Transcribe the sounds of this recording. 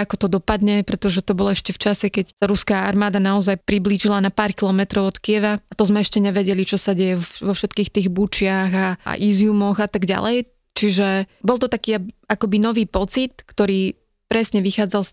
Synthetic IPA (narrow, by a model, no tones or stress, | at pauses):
akɔt̪ɔd̪ɔpad̪ɲɛpɾɛt̪ɔʒɛt̪ɔbɔlɔɛʃcɛft͡ʃasɛkɛcsaɾuskaːaɾmaːd̪anaɔzajpɾibliːʒilanapaːɾkilɔmɛt̪ɾɔʊɔt̪kiɛʋaat̪ɔzmɛɛʃcɛɲɛʋɛɟɛlit͡ʃɔsaɟɛjɛɔʋɔfʃɛt̪kiːxt̪iːɣbut͡ʃɪaɣa̰ʔizjumɔɣat̪aɡɟa̰lɛj | t͡ʃiʒɛbɔlˠt̪ɔt̪akiːaakɔbinɔʋiːpɔt͡sit̪kt̪ɔɾiː | pɾɛsɲɛʋixaːd͡zals